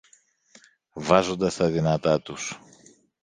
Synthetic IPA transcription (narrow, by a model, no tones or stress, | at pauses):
vɐzo̞nd̪ɐst̪ɐðinɐt̪ɐt̪us